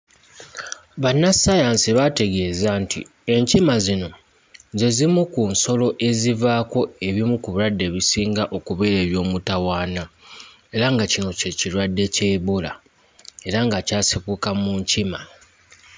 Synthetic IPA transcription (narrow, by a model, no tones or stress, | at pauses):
βanːasajansiβate̞ɡe̞ːzantʰḭe̞ɲcimazino̞ | zezimukunso̞lo̞ʔe̞zivaːko̞e̞βimukuβuladːe̞βisiːŋɡaʔo̞kuβeːɾe̞ːβjo̞ːmutawaːna | e̞ɾaŋɡacino̞ceciɾwadːe̞ce̞βola̰ | e̞ɾaŋɡacaːsikukamuːɲcima